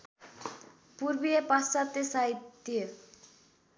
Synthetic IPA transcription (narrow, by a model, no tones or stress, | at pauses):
purbijepasat̪esaitt̪ːi